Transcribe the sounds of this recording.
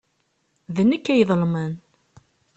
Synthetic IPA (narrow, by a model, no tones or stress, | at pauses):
ðənːəkːæjəðˤlmən